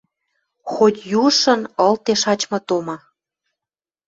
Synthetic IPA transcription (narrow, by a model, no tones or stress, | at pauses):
xot̪ʲjuʃə̆nɤ̆lt̪eʃɑt͡ɕmɤ̆t̪omɑ